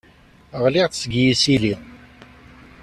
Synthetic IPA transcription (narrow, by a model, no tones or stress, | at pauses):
əʁlɪʁθsɡjisili